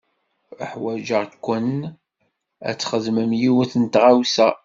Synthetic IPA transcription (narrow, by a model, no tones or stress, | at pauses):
əħwæd͡ʒəʁkʷːənn | æ̰t͡sːχəðməmjiwəθənt̪ʁawsæ